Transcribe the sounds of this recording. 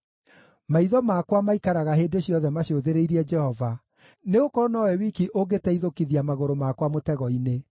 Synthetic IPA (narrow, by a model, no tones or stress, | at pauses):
maiðɔmakwamaikaɾaɣaɦeːdoɕjɔðɛmaɕjoðeɾeiɾiɛd͡ʒɛhɔva | neokɔnɔɛwikiʔoɡetɛiðokiðiamaɣoɾomakwamotɛɣɔine